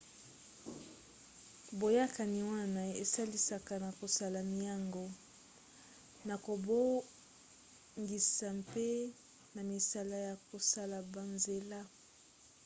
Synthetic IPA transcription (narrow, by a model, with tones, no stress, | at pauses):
bo˨ja˦ka˨ni˨wa˦na˨e˨sa˦li˦sa˨ka˨na˨ko˨sa˦la˨mi˨ja˦ŋɡo˨ | na˨ko˨bo˦ | ŋɡi˨sa˨mpe˦ | na˨mi˨sa˦la˦ja˨ko˨sa˦la˨ba˦nze˨la˦